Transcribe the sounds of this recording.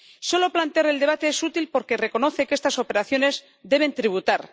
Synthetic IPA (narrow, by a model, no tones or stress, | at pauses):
so̞lo̞plant̪e̞aɾe̞ld̪e̞β̞at̪e̞esut̪ilpo̞ɾke̞re̞ko̞no̞θe̞kest̪aso̞pe̞ɾaθjo̞ne̞z | d̪e̞β̞e̞nt̪ɾiβ̞ut̪aɾ